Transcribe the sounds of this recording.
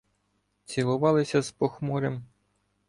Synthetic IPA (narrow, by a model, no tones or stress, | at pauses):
t͡sʲilˠʊʋɑlˠɪsʲɐzpɔxmɔɾem